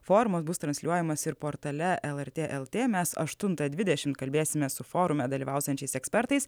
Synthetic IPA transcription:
foːɾʊmɐsbʊst̪ɾɐnsʲlʲuɔjɛmɐsɪɾpoːɾt̪ɐlʲɛʔɛlˠɛɾʲt̪ʲeːʔɛlˠt̪ʲeːmʲɛsɐ̰ʃt̪ʊnt̪ɐd̪ʲʋʲɪd̪ʲɛʃʲɪmt̪̚kɐlʲbʲeːsʲɪmʲɛsʊfoːɾʊmʲɛd̪ɐlʲiːʋɑˑʊsʲɛnʲt͡ʃʲɛɪsɛksʲpʲɛɾt̪ɐɪs

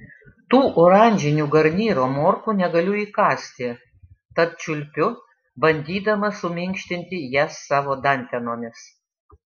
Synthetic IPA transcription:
t̪uːʔoːɾɑˑnʲd͡ʒʲɪnʲuːɡɐɾʲnʲiːɾoːmoːɾkuːnʲɛɡɐlʲʊiːkɑːsʲt̪ʲɪ | t̪ɐt̪̚t͡ʃʲʊlʲpʲʊ | bɐnʲd̪ʲiːd̪ɐmɐsʊmʲɪŋʲkʃʲt̪ʲɪnʲt̪ʲɪjæsːɑːʋoːd̪ɐnʲt̪ʲɛnoːmʲɪs

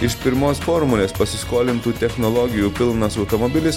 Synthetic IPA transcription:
ɪʃpʲɪɾmoːsfoːɾmulʲeːspɐsʲɪskoːlʲɪnt̪uːt̪ʲɛxnɔlˠɔɡʲɪjuːpʲɪlˠnɐsɒʊt̪ɔmɔbʲɪlʲɪs

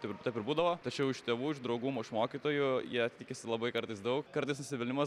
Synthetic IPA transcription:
t̪ʲɪpɪt̪ɐpʲɪɾbuːd̪ɐʋoːt̪ɐt͡ʃʲɛʊɪʃt̪ʲeːʋuːɪʒd̪ɾɐʊɡuːmoːɪʃmoːkʲit̪oːjʊjiɛɐt̪ʲt̪ʲɪkʲɪsʲɪlˠɐbɐɪkɐɾt̪ɐɪsd̪ɐʊkkɐɾt̪ɐɪsnʊsʲɪʋʲɪlʲnʲɪmɐ

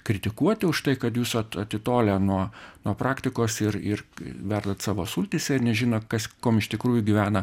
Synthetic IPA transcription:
kɾʲɪt̪ʲɪkuɔt̪ʲɪʊʃt̪ɐɪkɐt̪juːsɐt̪ɐt̪ʲɪt̪oːlʲɛnuɔnuɔpɾɑːkt̪ʲɪkoːsɪrɪrʋʲɛrd̪ɐt̪sɑːʋoːsuːlʲt̪ʲɪsʲɛɪɾnʲɛʒʲɪnoːkɐskoːmɪʃt̪ʲɪkɾuːjʊɡʲɪʋʲæːnɐ

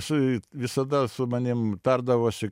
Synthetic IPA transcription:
sɐɪʋʲɪsɐd̪ɐsʊmɐnʲɪmt̪ɐrd̪ɐʋoːʃʲɪ

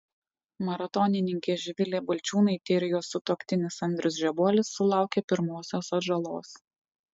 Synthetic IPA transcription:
mɐɾɐt̪ɔnʲɪnʲɪŋʲkʲeːʒʲɪʋʲɪlʲeːbʊlʲt͡ʃʲuːnɐɪt̪ʲɪːɾʲɪjoːsʊt̪oːkʲt̪ʲɪnʲɪsɐnʲd̪ʲɾʲʊsʒʲɛbuɔlʲɪsːʊlˠɑˑʊkʲepʲɪɾmoːsʲoːsɐʒɐlˠo̰ːs

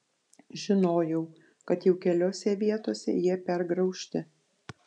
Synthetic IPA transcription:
ʒʲɪnoːjɛʊ | kɐt̪jɛʊkʲɛlʲoːsʲɛʋʲiɛt̪oːsʲɛ̰jiɛpʲɛɾɡɾɐʊʃʲt̪ʲɪ

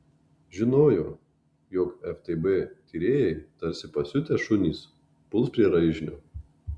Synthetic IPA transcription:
ʒʲɪnoːjoː | joːkɛft̪ebɛt̪ʲiːɾʲeːjɛɪt̪ɐɾʲsʲɪpɐsʲʊt̪ʲɛʃʊnʲiːs | pʊlˠspʲɾʲiɛɾɐɪʒʲnʲoː

